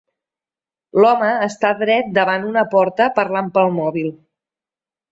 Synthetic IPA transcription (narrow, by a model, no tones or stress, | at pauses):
lɔməːst̪aðɾɛt̪̚d̪əβanunəpɔɾt̪əpəɾlampəlˠmɔβilˠ